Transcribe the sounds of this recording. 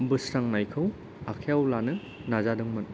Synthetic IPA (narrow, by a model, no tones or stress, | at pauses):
mbɯsɾaŋnajkʰɐw | akʰejawlanɯ | nazadɯŋmɐt̚